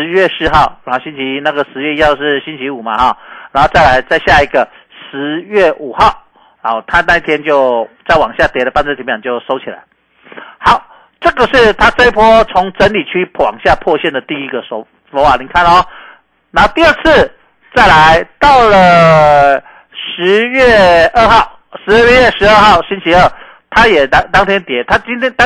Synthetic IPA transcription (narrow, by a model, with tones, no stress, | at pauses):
ʂɻ̩˧˦ɥɛ˥˩ʂɻ̩˧xɑ˥˩ʊa˧˦˥ɕi˦˥nt͡ɕʰi˧˦na˥˩ɡə˩ʂɻ̩˧˦ɥɛ˥˧i˥hɑ˥˧ʊʂɻ̩˥˩ɕi˥nt͡ɕʰi˧˦˥u˨˩ma˨hɔ˨˩na˧˦nho˥˧t͡sa˥˩ɪa˨˧˦ɪt͡sa˥˧ɪɕja˥˧˩i˧˥ɡə˨ | ʂɻ̩˧˦ɥɛ˥˩ʔu˨˩xɑ˥˨ʊ | na˨˩t̪ʰa˦na˥i˥˩t̪ʰjɛ˥nt͡ɕjo˥˧ʊt͡sa˥˩ɪwɑ˨˩ŋɕja˥˩t̪jɛ˨˩lə˨˩pa˥˧nt͡sə˥˩t̪i˧˦˥j̃t͡ɕjo˥˩ʊʂo˥ʊt͡ɕʰi˨˩la̰˧˦ɪ | hɑ˨˩˦ʊ | ʈ͡ʂɤ˥˨ɡə˨ʂɻ̩˥˩t̪ʰa˦˥t͡se˥ɪi˥pʰwɔ˥t͡sʰʊ˧˦˥ŋʈ͡ʂə˧˦˥nli˨˩t͡ɕʰy˥˩pʰwɑ̰˨˩ŋɕja˥˧pʰwɔ˥˧ɕjɛ˥˩nd̪ə˩t̪i˥˧i˦˥ɡə˨sɔ˧ | swɔ˧˥wa˨˩ni˨˩kʰa˥˨nɔ˧˦ | na˧˥˧t̪i˥˧ə˥˧t͡s̩ʰ˥˧ | t͡sa˥˩ɪla˧˦˥ɪt̪ɑ˥˩ʊlə˨ | ʂɻ̩˧˦ɥɛ˥˩ə˥˧xɑ˥˩ʊ | ʂɻ̩˧˦ɛ˥˧ɥɛ˥˧ɥɛ˥˩ʂɻ̩˧˥ə˞˥˧xɑ˥˩ʊɕi˥nt͡ɕʰi˧˥ə˥˩ | t̪ʰa˦˥jɛ˨˩na˥t̪ɑ˥ŋt̪ʰjɛ˥nt̪jɛ˨˧˥t̪ʰa˥t͡ɕi˥nt̪ʰjɛ˥nt̪